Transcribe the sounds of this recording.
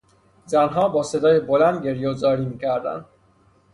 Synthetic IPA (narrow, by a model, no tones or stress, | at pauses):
zænɦɒːbɒːse̞d̪ɒːjebolænd̪ɟe̞ɾjezɒːɾiːmiːcʰæɾd̪æ̰nd̪